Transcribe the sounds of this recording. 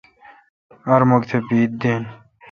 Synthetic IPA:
ɐɾmoɡt̪ʰebiːd̪̚d̪eːn

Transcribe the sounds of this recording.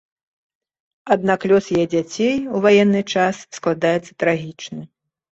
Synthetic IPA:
ad̪naklʲɔsjajɛd͡zʲat͡sʲejuvajɛnːɨt͡ʂassklˠad̪ajɛt̪sːɐt̪ɾaɣʲit͡ʂnɨ

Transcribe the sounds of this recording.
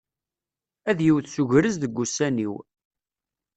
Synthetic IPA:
æðjiwθsuʝɾəzðəɡːusːæniw

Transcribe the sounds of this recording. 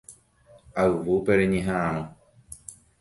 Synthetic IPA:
aɨʋupeɾeɲẽɦããɾ̃õ

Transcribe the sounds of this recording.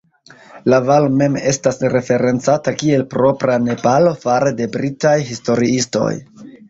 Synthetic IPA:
lavalome̞me̞stasɾe̞fe̞ɾe̞nt͡satakie̞lpɾo̞pɾane̞palo̞faɾede̞bɾitajɦisto̞ɾiisto̞̰j

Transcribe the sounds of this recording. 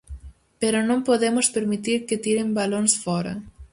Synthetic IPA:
peɾonõmpoðemʊspeɾmit̪iɾket̪iɾembalonsfɔɾɐ̰

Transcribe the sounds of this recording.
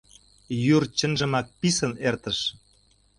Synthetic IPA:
jurt͡ɕə̆nʒə̆mɑk̚pisə̆nert̪əʃ

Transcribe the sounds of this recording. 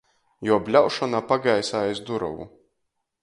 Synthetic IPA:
jɔːbʲlʲawʃɔnapaɡajsaːjsd̪uɾɔ̰wṵ

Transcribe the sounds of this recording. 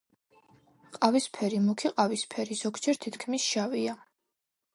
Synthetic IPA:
qʼavispʰɛɾimukʰiqʼavispʰɛɾisɔkʰt͡ʃʰɛɾt̪ʰit̪kʰmisʃavia

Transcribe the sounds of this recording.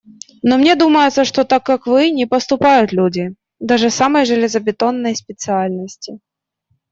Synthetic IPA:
nomnʲe̞d̪uməjʊt̪səʂt̪ot̪akːakvɨnʲɪpəst̪ʊpajʊt̪lʲudʲɪ | d̪aʐɨsaməjʐɨlʲɪzəbʲɪt̪o̞nːəjspʲɪt̪sɨalʲnəsʲtʲɪ

